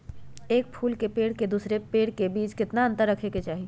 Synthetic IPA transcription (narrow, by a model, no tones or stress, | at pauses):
eːk̚pʰuːlkepeːɽked̪uːsɾepeːɽkebiːt͡ʃkɪt̪naɐ̃nt̪əɾːɐkʰeket͡ʃaːɦi